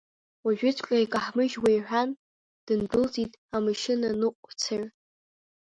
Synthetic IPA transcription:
waʒᶣʊt͡sʰʷʼkʲʷʼajkʼaħmɨʒwejħʷᶣan | d̥ɨndɨlzʼitʼamɨʃɪnanɨqʷʼt͡sʰaɥ

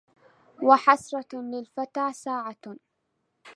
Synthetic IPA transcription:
waħɑsɾˤɑlɪlfat̪aːsaːʕa

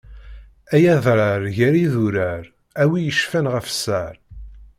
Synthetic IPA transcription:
æjæðˤɾˤɑɾʝæɾiðuɾæɾ | æwijəʃfænʁəfsæɾ

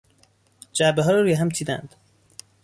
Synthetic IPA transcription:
d͡ʒæɾbeɦɒːɾɔɾuːjeɦæmt̪ʰiːd̪æ̰nd̪̥

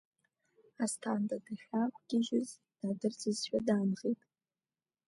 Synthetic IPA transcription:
astʰandʼadaħʲʷᶣakʷʰʼɡ̥ʲɪʒʊz | d̥adɨrt͡sʰʼɨzʃᶣadaːnʁetʼ

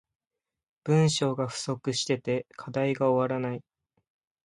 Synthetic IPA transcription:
b̥ɯ̟̃ɰ̃ɕo̞ːɡaɸɯ̟̥so̞kɯ̟ɕi̥t̪e̞t̪e̞kʰad̪aiɡaoβaɾanai

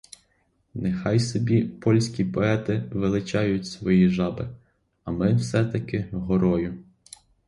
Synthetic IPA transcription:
nexɑjsɔbʲipɔlʲsʲkʲipɔɛt̪ɪʋɪlˠɪt͡ʃɑjʊtʲsʋɔjiʒɑbɪ | ɐmɪwsɛt̪ɐkɪɦɔɾɔjʊ

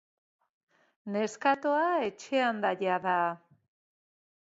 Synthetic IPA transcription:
ne̞skat̪oaet͡ʃe̞and̪aʎaða

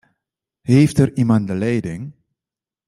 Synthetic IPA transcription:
heːftərimant̚dəlɛjdɪŋ

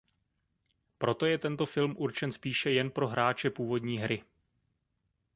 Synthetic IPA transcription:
pɾo̞t̪o̞jɛt̪ɛnt̪o̞fɪlmʔuɾt͡ʃɛnspiːʃɛjɛnpɾo̞ɦɾaːt͡ʃɛpuːvo̞dɲiːɦɾɪ

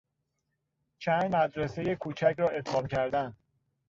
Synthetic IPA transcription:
t͡ʃʰænd̪mæd̪ɾese̞je̞kʰuːt͡ʃʰæcɾɒːe̞t̪ʰɒːmcʰæɾd̪æn

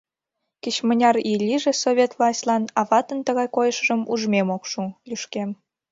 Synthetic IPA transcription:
kit͡ɕmənʲɑrilʲiʒĕsoβʲet̪vlˠɑsʲtʲlˠɑnɑβɑt̪ənt̪əɣɑjkojəʃəʒəmuʒmemokʃulʲyʃkem

